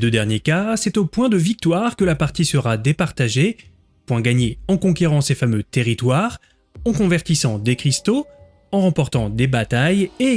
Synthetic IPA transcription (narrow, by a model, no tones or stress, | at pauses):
d̪ød̪ɛʁnjekasɛt̪opwɛ̃d̪əvik̚t̪waʁkəlapaʁt̪isəʁad̪epaʁt̪aʒe | pwɛ̃ɡaɲeɑ̃kɔ̃kʲeʁɑ̃sefamøt̪eʁit̪waʁ | ɑ̃kɔ̃vɛʁt̪isɑ̃d̪ekχist̪o | ɑ̃ʁɑ̃pɔʁt̪ɑ̃d̪ebat̪aje